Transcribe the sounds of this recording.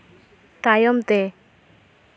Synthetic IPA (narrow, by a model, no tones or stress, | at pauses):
t̪ajɔmt̪e